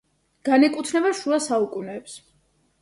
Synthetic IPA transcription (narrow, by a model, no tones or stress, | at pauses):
ɡ̥anɛkʼut̪ʰnɛbaʃuasaukʼunɛːps